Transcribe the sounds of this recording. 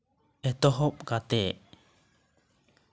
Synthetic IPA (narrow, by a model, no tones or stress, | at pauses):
ɛt̪ɔɦɔp̚kat̪ɛʔ